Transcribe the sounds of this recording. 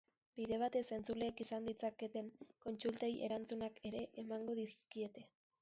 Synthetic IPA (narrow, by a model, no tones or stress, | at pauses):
biðe̞β̞at̪e̞se̞nt͡sule̞ːkisand̪it͡sake̞t̪e̞ŋko̞nt͡sult̪eje̞̰ɾant͡sunake̞ɾe̞ʔemaŋɡo̞ðiskie̞t̪e̞